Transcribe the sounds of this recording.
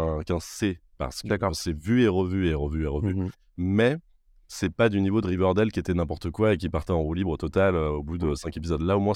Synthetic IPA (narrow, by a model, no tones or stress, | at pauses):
ɛ̃kɛ̃sepa̰ʁsə̥kaksɛvyeʁəvyeʁəvyeʁəvy | mɛ | sɛpad̪ynivod̪əʁivœʁd̪ɛlkʲiet̪ɛnɛ̃pɔʁt̪əkwaek̬ʲipaʁt̪ɛɑ̃ʁulibʁot̪ɔt̪aløobud̪əsɛ̃kepizɔd̪laomwɛ̃